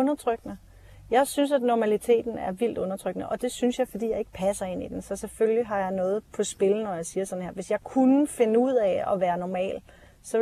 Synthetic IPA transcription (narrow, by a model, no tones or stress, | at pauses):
ɔ̽nɐt͡sʰʁœɡ̥ənə | jɑ̈ɪsyns̬æd̥nɒmælit͡sʰe̝̰ːd̥n̩æɐʋil̰d̥ɔ̽nɐt͡sʰʁœɡ̥nəʔɒ̽d̥e̝synsjɑ̈ɪfɒd̥ḭːjɑɪe̝ɡ̥ə̥pʰæsɐe̝̰nid̥ensɒ̽seføljiɦɑ̈jɑ̈ɪnɔ̽ːð̞̩ˠpʰɒ̽sb̥e̝lnɒjɑ̈ɪsiːɐsɒ̽n̩he̝ɐ̰ʋe̝sjɑ̈ɪkʰunəfe̝nəuð̞̰ˠɛɒ̽ʋæːɐnɒmɛ̰ːl | sɒ̽